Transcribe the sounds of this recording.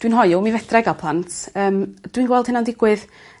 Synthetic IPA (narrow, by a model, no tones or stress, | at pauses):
d̥winɦɔjʊmivɛdrɛɡapʰlˠantʰəːmd̥winɡwɛlˠd̥hɪnandɪɡwɪð